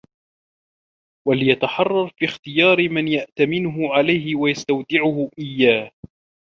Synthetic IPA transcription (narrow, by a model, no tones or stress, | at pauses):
walɪjat̪aħɑrˤːɑɾˤfiːxt̪ɪjɑːɾmanjaʔt̪amɪnʊɦʊʕalajhɪwajast̪awt̪ɪʕʊhʊʔɪjːaːh